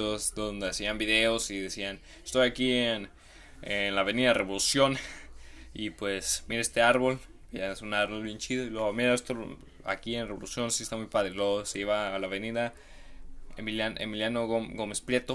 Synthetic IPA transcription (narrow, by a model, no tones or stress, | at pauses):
osd̪ond̪easiambiðe̞osiðesian | est̪o̞jakien | enlaβeniðare̞βo̞lusjo̞n | ipwesmiɾeest̪e̞aɾβo̞l | jaesunaɾβolβent͡ʃiðoilweɣomiɾaest̪o | a̰kienreolusjo̞nsiest̪amujpaðɾelweɣoseiβaːlaβe̞niða | ḛmiljanḛmiljanoɣoɡomespljet̪o